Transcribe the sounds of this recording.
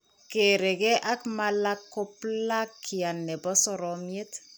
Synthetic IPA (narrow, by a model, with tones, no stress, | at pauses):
ke˨ɾe˨ke˦ʔa˦kma˦la˦kːo˦pla˦kʰːi˨a˨nːɛ˨bɔ˦sɔ˨ɾɔmje˦t